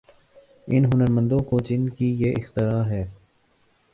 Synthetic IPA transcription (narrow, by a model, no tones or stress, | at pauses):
ɪnɦʊnəɾmə̃nd̪õːkoːd͡ʒɪnkiːjeːʔɪxt̪ɪɾaːɦɛː